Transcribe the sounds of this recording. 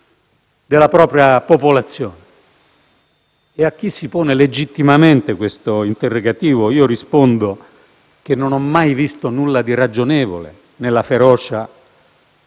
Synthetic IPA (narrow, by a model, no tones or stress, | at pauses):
d̪elːapɾɔːpɾjapopolat̪sːjoːne | ak̟ːisːipoːneled͡ʒit̪ːimament̪ekwest̪oint̪erːoɡat̪iːvoiːoɾispond̪o | kenːonɔmːajvist̪onulːad̪irad͡ʒːonɛːvo̰lḛ | nelːafeɾɔːt͡ʃa